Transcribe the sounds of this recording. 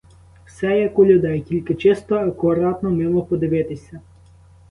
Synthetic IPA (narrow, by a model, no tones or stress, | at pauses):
wsɛjɐkʊlʲʊd̪ɛjkʲilʲkɪt͡ʃɪst̪ɔɐkʊɾɑt̪nɔmɪmɔpɔd̪ɪʋɪt̪ɪsʲɐ